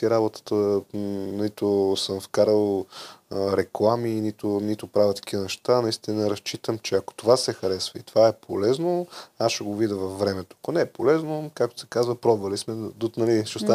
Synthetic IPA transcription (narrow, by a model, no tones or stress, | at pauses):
iɾabot̪ə̥t̪ə | nlit̪osəmfkaɾəlˠ | ɾɛklˠaminit̪ʊnit̪ʊpɾavət̪ɐ̥k̟ivənɛʃt̪anɐist̪inəɾɐst͡ʃit̪əmt͡ʃɛɐko̥t̪ovasɛxɐɾɛsvəit̪ovaɛpʰolɛznoasʃɛɡovid̪əvɐfːɾɛmɛt̪o̥ɐkonɛɛpolɛznokak̚t̪o̥sɛ̥kazvəpɾɔbvɐlismɛd̪ut̪nɐliʃɛost̪a